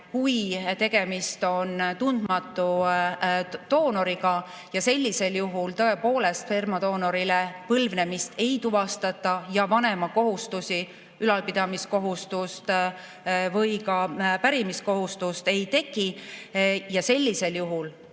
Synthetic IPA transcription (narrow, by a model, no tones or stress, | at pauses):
hujt̪e̞ɡ̥e̞mist̪o̞nt̪und̪̥mɑt̪ːˑu | t̪o̞ːno̞ɾiɡɑ | jɑse̞lʲːise̞ljuɦult̪ɤ̞e̞po̞ːle̞st̪fermɑd̪o̞ːno̞ɾilepɤlvne̞mist̪e̞jt̪uvɑst̪ɑt̪ːˑɑjɑvɑne̞mɑko̞ɦust̪usi | ylɑlpid̪̥ɑmisko̞ɦust̪ust̪ | vɤjkɑpæɾimisko̞ɦust̪ust̪e̞jt̪e̞ki | jɑse̞lʲːise̞ljuɦul